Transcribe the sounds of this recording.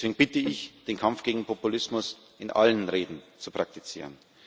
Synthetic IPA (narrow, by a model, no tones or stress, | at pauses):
sveːɡŋ̩b̥ɪtəɪçd̥eːnkʰamfɡ̥eːɡŋ̩pʰopulɪsmʊs | ʔɪnʔa̰lənʁeːdn̩t͡supʁ̥ak̚tit͡sḭːʁən